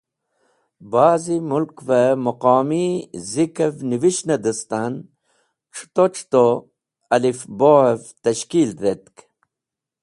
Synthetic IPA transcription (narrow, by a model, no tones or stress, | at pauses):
baːzimulkvɐmɐqɑːmizikɐvniʋiʃnɐd̪ɐst̪an | ʈ͡ʂʰu̥t̪ot͡ʃʰt̪o | ɐlifboevt̪ɐɕkiːlɾet̪k